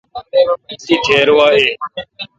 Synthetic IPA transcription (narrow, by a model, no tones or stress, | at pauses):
siːt̪ʰeːɾʋaːɦeː